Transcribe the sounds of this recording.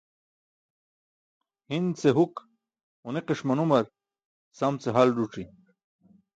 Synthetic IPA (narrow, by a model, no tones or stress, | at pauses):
hint͡seɦuk | uneqeʂmɐnumɐɾ | sɐmt͡seɦalɾuʈ͡ʂi